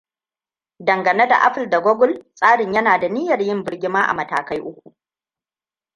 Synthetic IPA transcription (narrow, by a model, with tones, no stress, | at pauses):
dɐ˨ŋɡɐ˨ne˦da̰˨ʔa̰˦ɸɪ˨lda˨ɡʷɔ˦ɡʊ˦˨lsʼaː˦ɽɪ˨ɲjɐ˦naː˨da˨ni˦jɐ˨rjɪ˦mbɪ˦rɡʲɪ˦maː˦ʔa̰˨mɐ˨ta̰ː˨ka˦jʔʊ˦kʷu˨ʔ